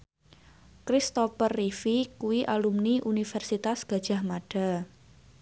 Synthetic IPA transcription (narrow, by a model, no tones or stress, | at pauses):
kɾist̪ɔfərːifikuwiʔalumniʔunifɛrsit̪asɡ̥a̤d̥ʒ̥a̤hmaɖ̥a̤